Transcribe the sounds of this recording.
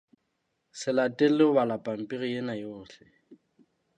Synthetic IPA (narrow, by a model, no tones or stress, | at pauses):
sɪlatʼɪlɪbalapʼam̩pʼiɣijenajoːɬɛ